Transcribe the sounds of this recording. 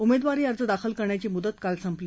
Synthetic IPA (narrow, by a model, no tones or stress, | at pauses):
umed̪ʋaɾiːəɾd͡zəd̪akʰəlkəɾɳjat͡ɕiːmud̪ət̪kalsəmpliː